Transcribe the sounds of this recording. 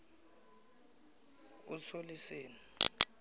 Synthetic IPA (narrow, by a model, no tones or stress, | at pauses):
k̬usʰoliseːni